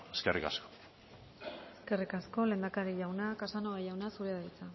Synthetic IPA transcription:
eskerḭkasko̥ | eske̞rikasko̞le̞ːnd̪akaɾiʎawnakasanoɣajawnasuɾeðajt͡sa

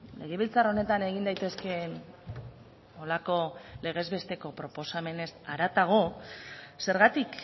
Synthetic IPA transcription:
le̞ɣ̞e̞βilt͡saro̞ne̞t̪ane̞ɣ̞ind̪ajt̪e̞ske̞n | o̞lako̞le̞ɣ̞e̞zβe̞st̪e̞ko̞pɾo̞po̞same̞ne̞saɾat̪aɣ̞o̞ | se̞ɾɣat̪ik

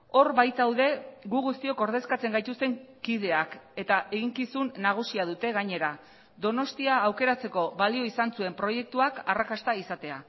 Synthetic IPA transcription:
o̞ɾβajt̪awðe̞ɣuɣust̪io̞ko̞ɾð̞e̞skat͡se̞ŋɡajt̪ust̪e̞ŋkið̞e̞ake̞t̪aʔe̞ɣiŋkisunːaɣ̞usiaðut̪e̞ɣaɲe̞ɾa | d̪o̞no̞st̪iaːwke̞ɾat͡se̞ko̞βalio̞isansue̞mpɾo̞je̞k̚t̪uakarakast̪aisat̪e̞a̰

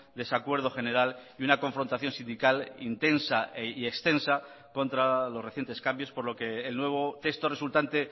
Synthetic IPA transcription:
d̪e̞sakwe̞ɾð̞o̞xe̞ne̞ɾaliunako̞ɱfɾo̞nt̪aθjo̞nsind̪ikalḭnt̪e̞nsaeie̞kst̪e̞nsa | ko̞nt̪ɾalo̞sreθje̞nt̪e̞skambjo̞spo̞ɾlo̞ke̞ːlnwe̞β̞o̞t̪e̞st̪o̞result̪ant̪e̞

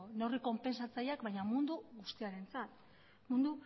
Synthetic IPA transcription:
noriko̞mpe̞nsat͡sajakbajɲamund̪uɣust̪iaɾe̞nt͡sat̪ | mund̪u

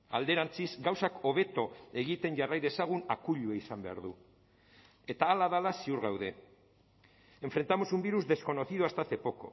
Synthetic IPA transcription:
a̰ld̪e̞ɾant͡sizɡawsako̞βe̞t̪o̞e̞ɣit̪e̞nʝarajðe̞saɣ̞unakuʎueisambe̞a̰ɾðu | e̞t̪aːlaðalasiuɾɣawðe̞ | e̞ɱfɾe̞nt̪amo̞sumbiɾuzd̪e̞sko̞no̞θiðuast̪aθe̞po̞ko̞̰

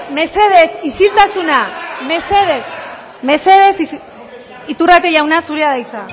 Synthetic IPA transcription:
me̞se̞ðe̞sisilt̪asuname̞se̞ðes | me̞se̞ð̞e̞si | it̪urat̪eʎawnasuɾeaðajt͡sa

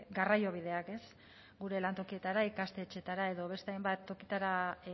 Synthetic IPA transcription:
ɡarajo̞β̞ið̞e̞ake̞s | ɡuɾe̞lant̪o̞kie̞t̪aɾaikast̪e̞t͡ʃe̞t̪aɾae̞ðo̞β̞e̞st̪eajmbat̪ːo̞kit̪aɾa

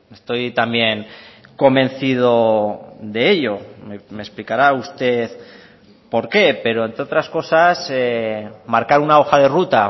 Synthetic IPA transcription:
e̞st̪o̞jt̪ambje̞ŋko̞mbẽ̞nθið̞o̞ðe̞eʎo̞memesplikaɾaust̪e̞ð | po̞ɾke̞pe̞ɾo̞ent̪ɾeo̞t̪ɾasko̞sasemaɾkaɾunao̞xað̞e̞rut̪a

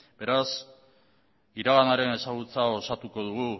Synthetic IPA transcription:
b̥e̞ɾas | iɾaɣanaɾe̞ne̞saɣut͡sao̞sat̪uko̞ðuɣu

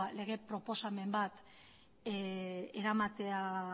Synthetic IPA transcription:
ale̞ɣ̞e̞pɾo̞po̞same̞mbat̪ | e̞ɾamat̪e̞a

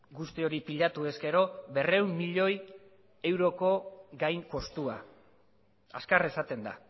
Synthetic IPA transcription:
ɡust̪io̞ɾipiʎat̪ue̞ske̞ɾo̞be̞re̞wmːiʎo̞j | e̞wɾo̞ko̞ɡajŋko̞st̪ua̰ | a̰skare̞sat̪e̞nd̪a̰

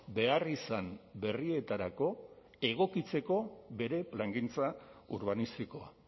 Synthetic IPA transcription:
be̞arisambe̞rie̞t̪aɾako̞ | e̞ɣ̞o̞kit͡se̞ko̞be̞ɾe̞plaŋɡint͡sauɾβanist̪iko̞a̰

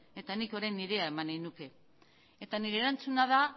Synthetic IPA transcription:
e̞t̪aniko̞ɾajniðe̞ae̞manenuke̞ | et̪aniɾeːɾant͡sunaða

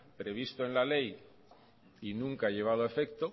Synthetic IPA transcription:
pɾe̞β̞ist̪oe̞nlale̞j | inũŋkaaʎe̞β̞að̞oe̞fe̞kt̪o

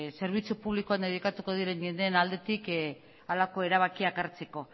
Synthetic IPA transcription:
se̞ɾβ̞it͡supuβlikoand̪eðikat̪uko̞ð̞iɾe̞ɲʝe̞nd̪eːnald̪e̞t̪ik | alako̞e̞ɾaβ̞akiakaɾt͡se̞ko̞

